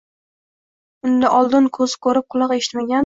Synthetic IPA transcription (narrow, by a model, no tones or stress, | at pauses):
ʊnd̪aʔɒlˠd̪ɪnkʰɵzɪ̥kʰɵɾɪp̚qʰʊlˠɑqe̞ʃɪ̥t̪maɡʲan